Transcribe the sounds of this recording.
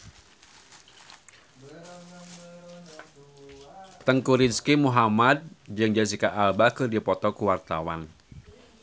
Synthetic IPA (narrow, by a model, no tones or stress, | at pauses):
t̪əŋkuɾinskimuɦamad̚d͡ʒɨŋd͡ʒas̬ikaʔalbakɨrdipɔt̪ɔkuwart̪a̰wa̰n